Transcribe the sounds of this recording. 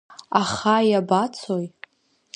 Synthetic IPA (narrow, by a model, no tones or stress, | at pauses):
aχajabat͡sʰoj